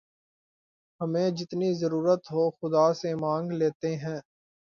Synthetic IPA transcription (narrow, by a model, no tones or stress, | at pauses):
hɐmẽd͡ʒɪt̪nizəɾuːɾət̪ɦoːxʊd̪aːsemãːŋɡleːt̪eɦɛ̃ː